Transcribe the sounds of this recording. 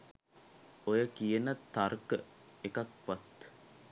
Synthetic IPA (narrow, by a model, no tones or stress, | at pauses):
ojəkijənət̪ːarkə | ekak̚pat̪